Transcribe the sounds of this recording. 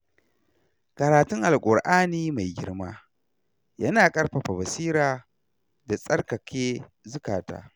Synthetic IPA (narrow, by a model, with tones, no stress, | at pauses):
kɐ˨ɾaː˨tʊ˦ŋʔa˨lkʷʼʊ˨ɽʔaː˦niː˦ma˨jɡʲɪ˦ɽmaː˦ | jɐ˦naː˨kʼɐ˦ɽɸa˨ɸa˨bɐ˨siː˦ɾaː˨ | da˨sʼɐ˦rkɐ˨kʰʲeː˦ | zʊ˦kaː˨ta̰ː˦